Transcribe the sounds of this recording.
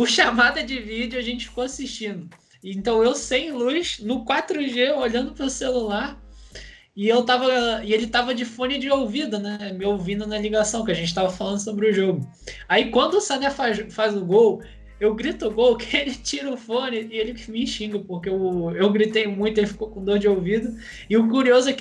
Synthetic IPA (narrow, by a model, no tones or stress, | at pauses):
pʊʃamad̪ɐd͡ʒɪvid͡ʒjʊaʒẽnt͡ʃɪ̥fi̥koasiʃt͡ʃĩnd̪ʊ | ɪẽnt̪ɐ̃w̃ewsẽj̃luʃnʊkwat̪ɾʊʒeoʎɐ̃nd̪ʊpɾʊselulaɾ | ɪewt̪avɐɪelɪt̪avɐd͡ʒɪfõnɪd͡ʒɪowvid̪ɐnɛɛmɪowvĩnd̪ʊnɐliɡasɐ̃w̃kɪaʒẽnt͡ʃɪ̥t̪avɐfalɐ̃nd̪ʊsobɾɪʊʒoɡʊ | aikwɐ̃nd̪ʊʊsɐ̃nɛfazfazʊɡow | ewɡɾit̪ʊɡowkɪelɪt͡ʃiɾɐʊfõnɪːelɪmiĩʃĩŋɡɐpohkeʊewɡɾit̪ejmũj̃t̪ʊelɪfi̥kowkõd̪ohd͡ʒɪowvid̪ɐ | ɪʊk̬uɾiozʊɛk